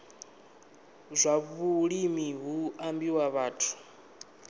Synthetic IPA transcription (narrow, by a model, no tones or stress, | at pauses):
zʷaβuɺimiɦuambiwaβaːtʰu̥